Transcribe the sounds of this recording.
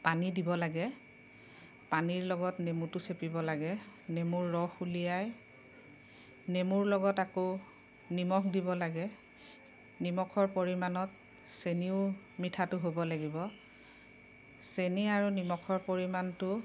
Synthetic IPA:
panidibɔlaɡɛ | paniɹlɔɡɔtnemutʊsepibɔlaɡɛnemuɹːɔxulijaj | nemuɹlɔɡɔtako | nimɔkdibɔlaɡɛ | nimɔkʰɔɹpoɹimanɔt | seniʊ | mitʰatʊɦobɔlaɡibɔ | seniaɹunimɔkʰɔɹpoɹimantʊ

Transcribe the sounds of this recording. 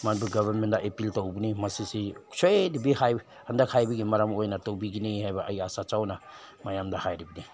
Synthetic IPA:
manpuɡabʱaɾmendaʔepiltawbinimɐsisi̥soedibihaj | handakhajbiɡimɐɾamojnɐtowbiɡinihajbɐʔajasat͡ʃawna | majamdahajɾibini

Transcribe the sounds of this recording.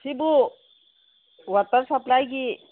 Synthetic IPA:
sibu | wət̪əɾsəplajki

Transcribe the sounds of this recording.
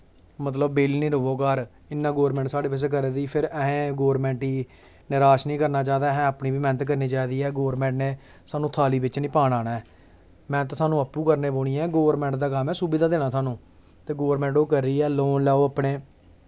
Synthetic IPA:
mət̪̬ləbːɪlnĩːɾʊʋoːkaːɾ | ɪnːãːɡoːɾmɛ̃ːɳʈsaːɽeːpɪs̬ek̬əɾed̪iːpʰɪɾɛɦẽːɡoːɾmɛ̃ːɳʈiː | nɪɾaːʃnĩːkəɾnaːt͡ʃaːd̪aːɦɛ̃ːəpnĩːʋiːmɛ̃ːnət̪kəɾniːt͡ʃaːd̪iːɛːɡoːɾmɛ̃ːɳʈneː | saːnũːt̪ʰaːliːbɪt͡ʃnĩːpaːɽaːnaːɛː | mɛ̃ːnət̪saːnũːəpːuːkəɾneːboːɽiːɛːɡoːʋəɾmɛ̃ːɳʈd̪aːkəmɛːsuːbɪd̪aːd̪eːñaːsaːnũː | t̪eːɡoːɾmɛ̃ːɳʈoːkəɾːiːɛːloːnlɛːoːapɳeː

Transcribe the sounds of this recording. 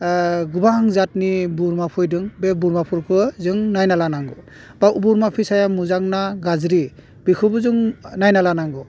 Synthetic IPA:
ɡubaŋzatnibuɾmapʰɯjdɯŋbebuɾmapʰuɾkʰɯzɯŋnajnalanaŋɡɯ | b̥aubuɾmapʰisajamuzaŋnaɡazɾi | b̥ikʰɯbɯzɯŋnajnalanaŋɡɯ

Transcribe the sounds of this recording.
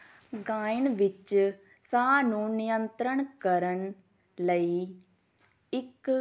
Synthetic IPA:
ɡaːɪnʋɪt͡ʃ | saːnũːnɪjənt̪ɾəɳkəɾən | ləiː | ɪk

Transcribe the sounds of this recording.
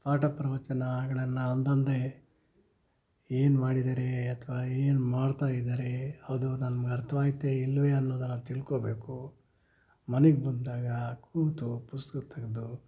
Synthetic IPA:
pʰaːʈɐpɾɐʋɐt͡ʃɐnɐɡɐɭɐnːɐːnd̪ɐnd̪e | eːnumaːɽid̪aːɾeɐt̪ʰɐʋaeːnumaːɽt̪aːjid̪aːɾehɐʋd̪unɐmɐɡɐɾt̪ʰːɐʋaːɡit̪ːeilːʋeɐnːoːd̪ɐnːɐt̪iɭkoːbe̞ːku | mɐneɡebɐnd̪aːɡɐkʰuːɡt̪upuskɐt̪ʰɐɡɐd̪u

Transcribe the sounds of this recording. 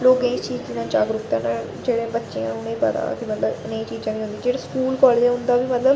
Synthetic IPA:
loːɡẽːt͡ʃiːɪnãːt͡ʃaːɡɾʊt̪ãːna | d͡ʒeːɽẽːbətːʃeãʊnẽːpə̰t̪a̰ːkɪmət̪ləbɪnẽːt͡ʃiːd͡ʒãːʋĩːɦʊnd̪ĩːd͡ʒeːɽaːskuːlkɔːleːd͡ʒɛ̃ɦʊ̃nd̪aːbiːmət̪ləb

